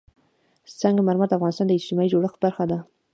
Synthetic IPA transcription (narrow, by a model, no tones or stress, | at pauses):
t͡saŋɡamaɾmaɾd̪afɣɑnɪst̪ɑnd̪əɪt͡ʃt̪ɪmɑjid͡ʒoɽəxbaɾxad̪a